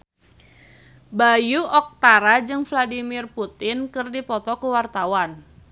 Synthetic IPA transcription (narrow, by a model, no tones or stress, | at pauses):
bajuʔɔk̚t̪aɾad͡ʒɨŋfladimɪrput̪ɪnkɨrdipɔt̪ɔkuwart̪awan